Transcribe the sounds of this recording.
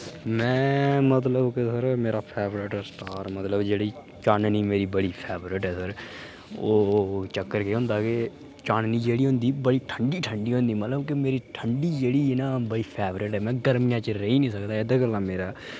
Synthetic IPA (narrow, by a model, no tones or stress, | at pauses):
mɛ̃ːmət̪ləbkesəɾmeːɾaːpʰɛːbɾɪʈːsʈaːɾmət̪ləbd͡ʒeːɽiː | t͡ʃaːnniːmeːɾiːbəɽiːpʰɛːbɾɪʈɦɛːsəɾ | oːt͡ʃəkːəɾkeːɦʊ̃ːnd̪aːke | t͡ʃaːnniːd͡ʒeːɽiːɦʊ̃ːnd̪iːbəɽiːʈʰəɳɖiːʈʰəɳɖiːɦõnd̪iːmət̪ləbkemeːɾiːʈʰəɳɖiːd͡ʒeːɽiːnaːbəɽiːpʰɛːbɾɪʈɦɛːmɛ̃ːɡəɾmijãːt͡ʃɾəiːnĩːsəkd̪aːɪd̪aːɡəlãːmeːɾaː